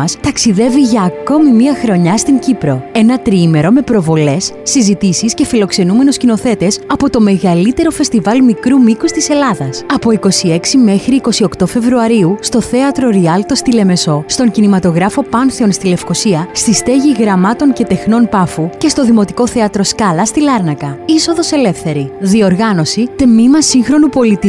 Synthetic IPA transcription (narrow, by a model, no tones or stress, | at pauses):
ɐst̪ɐksiðe̞viʝɐːko̞mimiɐxɾo̞ɲɐst̪iɲcipɾo̞e̞nɐt̪ɾiime̞ɾo̞me̞pɾo̞vo̞le̞sːizit̪isisce̞filo̞kse̞nume̞nuscino̞θe̞t̪e̞sɐpo̞t̪o̞me̞ɣɐlit̪e̞ɾo̞fe̞st̪ivɐlmikɾumikust̪ise̞lɐðɐsɐpo̞iko̞sie̞ksime̞xɾiːko̞sio̞kt̪o̞fe̞vɾuɐɾiust̪o̞θe̞ɐt̪ɾo̞ɾiɐlt̪o̞st̪ile̞me̞so̞st̪o̞ŋcinimɐt̪o̞ɣɾɐfo̞pɐnθeo̞nst̪ile̞fko̞siɐst̪ist̪e̞ʝiɣɾɐmɐt̪o̞ɲce̞t̪e̞xno̞npɐfuce̞st̪o̞ðimo̞t̪iko̞θe̞ɐt̪ɾo̞skɐlɐst̪ilɐɾnɐkɐiso̞ðo̞se̞le̞fθe̞ɾiðio̞ɾɣɐno̞sit̪emimɐsiŋxɾo̞nupo̞lit̪i